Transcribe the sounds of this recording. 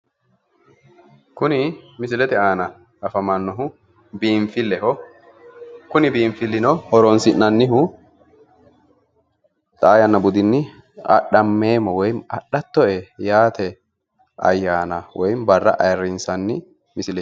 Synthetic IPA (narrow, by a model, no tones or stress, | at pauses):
kʊnɪmɪsɪlɛt̪ɪaːnɐ | ɐfɐmɐnːɔɦʊ | biːɱfɪlːɛhɔ | kʊnɪbiːɱfɪlːɪnɔhɔɾɔnsɪnːɐnːɪɦʊ | t̪ʼaːjɐnːɐbʊd̪ɪnːɪ | ɐ̰ɗɐmːeːmːɔwɔjmɐ̰ɗɐt̪ːɔʔɛjaːt̪ʰɛ | ɐ̰jːaːnɐwɔjmbɐrːɐ̰ʔɐjrːɪnsɐnːɪ | mɪsɪlɛ